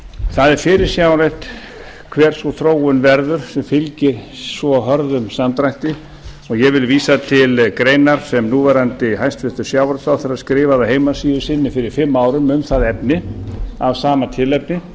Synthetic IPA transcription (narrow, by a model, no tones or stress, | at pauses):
θaðɛɾ̥fɪɾɪɾ̥sjaːwlajht̪ | kʰvɛːɾ̥sɔθɾoːwʏnvɛɾðʏɾ̥sɛmfɪlcɪɾsvɔɦœɾðʏmsamt̪ɾajht̪ɪ | ɔɣjɛvɪlviːsat̪ʰɪlkɾeːjnaɾ̥sɛmnuvɛɾant̪ɪɦajst̪fɪht̪ʏɾ̥sjaːwaɾt̪sawθɪɾaðskɾɪːvaðaɦejmasiːðʏsɪnːɪfɪɾɪɾ̥fɪmːaːwɾʏmʏmθaðɛp̚nɪavsaːmat̪ʰɪlɛp̚nɪ